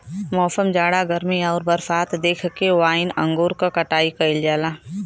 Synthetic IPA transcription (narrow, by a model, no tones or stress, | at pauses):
mɔːsəmd͡ʒaːɽaɡəɾmiɔːɾbɐɾfaːt̪d̪eːkʰkewaːɪnɐ̰̃ŋɡoːɾkakɐʈaːikɐɪld͡ʒaːlaː